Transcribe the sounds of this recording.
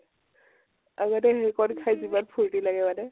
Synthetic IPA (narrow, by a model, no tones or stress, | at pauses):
aɡɔtɛɦekɔnkʰajzibanpʰuɹtilaɡɛbadɛ